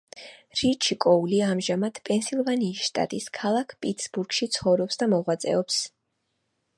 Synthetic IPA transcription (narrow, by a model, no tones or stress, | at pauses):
ɾit͡ʃʰikʼɔuliamʒamat̪ʰpʼɛnsilˠvaniːsʃt̪ʼa̰t̪ʼiskʰalˠakʰpʼit̪sbuɾɡʃit̪sʰχɔvɾɔpsd̪amɔʁwat̪sʼɛ̰ɔps